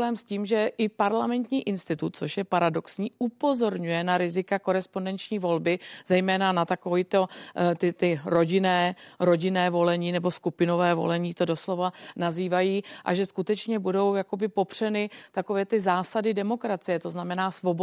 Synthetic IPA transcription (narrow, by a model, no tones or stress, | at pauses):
ɛːmsciːmʒɛʔɪpaɾlamɛnt̪ɲiːʔɪnst̪ɪt̪ut̪̚t͡so̞ʃjɛpaɾado̞ksɲiːʔupo̞zo̞ɾɲujɛnaɾɪzɪkako̞ɾɛspo̞ndɛnt͡ʃɲiːvo̞lbɪz̥ɛjmɛːnanat̪akovɪt̪o̞t̪ɪt̪ɪɾo̞ɟɪnɛːɾo̞ɟɪnɛːvo̞lɛɲiːnɛbo̞skupɪno̞vɛːvo̰lɛɲiːt̪o̞do̞slo̞vanaziːvajiːʔa̰ʒɛskut̪ɛt͡ʃɲɛbudo̞wjako̞bɪpo̞pr̝̥ɛnɪt̪ako̞vɛːt̪ɪzaːsadɪdɛmo̞kɾat͡sɪjɛt̪o̞znamɛnaːsvo̞bo